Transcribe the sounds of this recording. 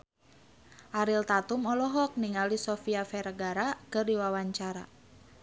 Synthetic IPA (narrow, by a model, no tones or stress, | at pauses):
ʔaɾilt̪at̪umɔlɔɦɔk̚niŋalisɔfiafɛɾəɡaɾakɨrdiwawaɲt͡ʃaɾa̰